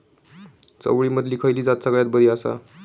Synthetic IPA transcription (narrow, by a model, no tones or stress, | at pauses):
t͡sə̰wɭiːməd̪ʱliːkʰəjliːd͡zat̪səɡɭjat̪̚bəɾiasa̰